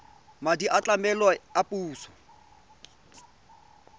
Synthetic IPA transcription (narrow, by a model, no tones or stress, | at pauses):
madiʔat͡ɬʼamɛlɔapʼuːsɔ̥